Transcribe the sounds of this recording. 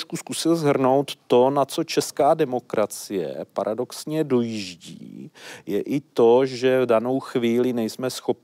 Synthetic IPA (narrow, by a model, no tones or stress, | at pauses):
ʃkuskusɪlzɦr̩no̞wt̪ːo̞nat͡so̞t͡ʃɛskaːdɛmo̞kɾʔat͡sɪjɛ̰pa̰ɾʔado̞ksɲɛdo̞jiʒɟḭːjɛʔɪt̪o̞ʒɛvdano̞wxviːlɪnɛjsmɛsxo̞p̚